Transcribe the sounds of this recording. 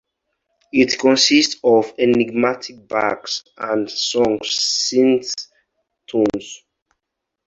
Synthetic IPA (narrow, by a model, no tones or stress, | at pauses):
itkʰɔ̃nsistɔveniɡmatʰik̚ba̰ks | ãndsɔ̃ŋsːĩns | tʰõns